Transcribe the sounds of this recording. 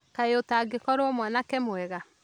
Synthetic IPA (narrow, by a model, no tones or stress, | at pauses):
kaeotaɡekɔɾoɔmwanakɛmoɛɣa